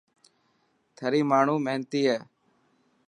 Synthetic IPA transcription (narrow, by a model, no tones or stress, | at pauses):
t̪ʰəɾiːmaːɳ̤uːməɦnt̪iːɦɛː